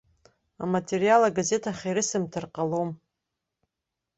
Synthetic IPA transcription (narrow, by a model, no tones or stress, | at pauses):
amatʰerijalaɡaze̞tʰaχʲaɾɨsɨmtʰɨrqʼalom